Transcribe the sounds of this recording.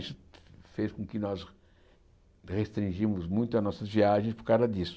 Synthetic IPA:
sʊfeskõkɪnɔz | ʁest̪ɾĩʒimʊzmũj̃t̪ʊɐnɔsɐzviaʒẽspʊɾkawzɐd̪isʊ̥

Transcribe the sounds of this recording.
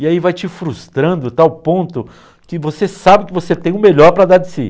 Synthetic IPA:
ɪaivajt͡ʃɪfɾust̪ɾɐ̃nd̪ʊt̪awpõnt̪ʊ | kɪvosesabɪkɪvoset̪ẽj̃ʊ̃meʎɔɾpɾɐd̪ad̪ɪsḭ

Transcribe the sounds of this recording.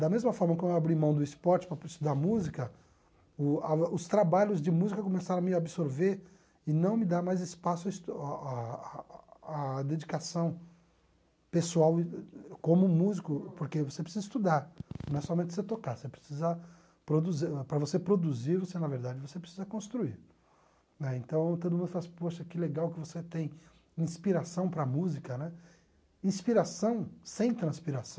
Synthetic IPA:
d̪ɐmezmɐfɔɾmɐkõewabɾimɐ̃w̃d̪ʊispɔɾt͡ʃɪ̥pɾɐist̪ud̪aɾmuzikɐ | ʊaʊst̪ɾabaʎʊzd͡ʒɪmuzikɐkõmesaɾɐ̃ɐmɪabisoɾveɾ | ɪnɐ̃w̃mɪd̪aɾmajzɪspasʊɐist̪a | d̪ed͡ʒikasɐ̃w̃ | pesuawkõmʊmuzikʊpoɾkevosepɾɪsizɐist̪ud̪aɾñɛsɔmẽnt͡ʃ̪ɪ̥set̪okasepɾe̥sizɐ | pɾod̪uzipɾɐvosepɾod̪uziɾvosenɐveɾd̪ad͡ʒɪvosepɾesizɐkõst̪ɾuiɾ | nɛẽnt̪ɐ̃w̃t̪od̪ʊmũd̪ʊfalasɪ̥poʃɐkɪleɡawkɪvoset̪ẽj̃ | ĩspiɾasɐ̃w̃pɾɐmuzikɐnɛ | ĩspiɾasɐ̃w̃sẽj̃t̪ɾɐ̃spiɾasɐ̃w̃

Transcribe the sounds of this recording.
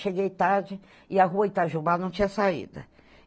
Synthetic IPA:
ʃeɡejt̪aɾd͡ʒɪ | ɪaɦuɐĩt̪aʒubanɐ̃w̃t͡ʃĩɲɐsaḭd̪ɐ̰

